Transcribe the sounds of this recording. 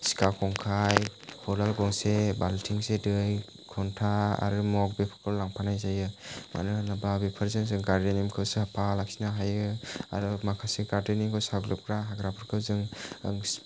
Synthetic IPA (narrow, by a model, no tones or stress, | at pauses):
si̥kakʰɔŋkʰajhʰɔlalɡɔŋsebaltʰiŋsedɯj | kʰɔntʰaa̰ɾɯmɔk̚bepʰɯ̥kʰɯllaŋpʰanajzajɯmʔa̰nɯnababepʰɯɾzɯŋzɯŋkaɾdenimkʰɯwsɯhapʰalak̚sinaɦajɯa̰ɾɯmakʰasekaɾdenikʰɯwsaɡlɯp̚kʰɾaɦaɡɾapʰɯɾkʰɯwzɯŋ